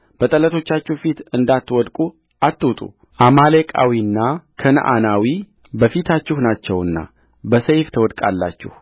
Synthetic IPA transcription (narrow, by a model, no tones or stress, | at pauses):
b̥ət̪ʼələt̪ʰo̞t͡ʃːat͡ʃːɪhfit̪ɨnd̪at̪ːwɔd̪kʼu | ʔat̪ːwt̪ʼṵ | ʔamalekʼa̰winːakʰənə̰ʔa̰nawi | bəfit̪ʰat͡ʃːɪhnat͡ʃːɛwɨnːa̰ | bəsəjft̪ʰəwɔd̪kʼa̰lːa̰t͡ʃːɪ̰h